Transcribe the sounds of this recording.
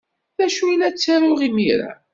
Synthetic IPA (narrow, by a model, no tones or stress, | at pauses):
ðæʃujlæt͡sːaɾʊʁimiɾa̰